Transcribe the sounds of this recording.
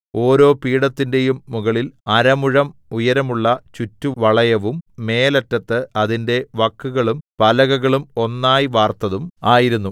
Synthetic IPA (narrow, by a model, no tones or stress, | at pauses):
o̞ːɾo̞ːpiːɽɐt̪ːinde̞jumːuɣɐɭilɐɾɐmuɻɐmujɐɾɐmuɭːɐt͡ɕutːuʋɐɭɐjɐʋumːe̞ːlɐtːɐt̪ːɨɐðinde̞ʋɐkːuɣɐɭumpɐlɐɣɐɣɐɭumo̞nːaːjiʋaːrt̪ɐðumaːjiɾunːu